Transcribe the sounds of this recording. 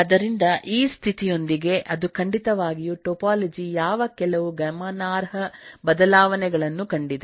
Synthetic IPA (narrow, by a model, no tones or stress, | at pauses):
ɐd̪ɐɾind̪ɐʔiːst̪ʰit̪ijo̞nd̪iɡe̞ʔɐd̪ukɐɳɖit̪ɐʋaːɡijuʈopaːlid͡ʒijaːʋɐkɛlɐʋuɡɐmɐnaːɾɦɐbɐd̪ɐlaːʋɐnɛɡɐɭɐnːukɐɳɖid̪e